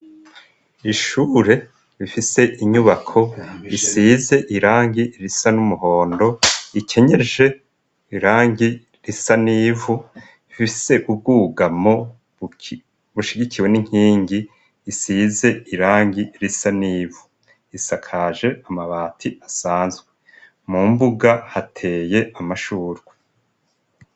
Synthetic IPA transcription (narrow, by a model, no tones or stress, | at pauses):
iʃuːɾe̞ | ɾifise̞ʔiɲuβakʰo̞isize̞ʔiɾaːŋɡiɾisanumuɦo̞ːndo̞ikʰe̞ɲe̞ʒe̞ | iɾaːŋɡi | ɾisaniːvu | ifiise̞ʔub̚ɡuːɡamo̞ | βuʃiɡiciwe̞niŋ̥hiːŋɡiː | siːze̞iɾaːŋɡiɾisaniːvu | isakʰaʒe̞amaβaːtʰiʔasaːnzɡwe | mumbuɡahatʰe̞ːje̞amaʃuːɾɡwe